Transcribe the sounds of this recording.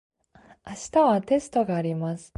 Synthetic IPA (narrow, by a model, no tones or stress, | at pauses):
aɕi̥t̪aβat̪e̞sɨ̥t̪o̞ɡaːɾʲimasɨ̥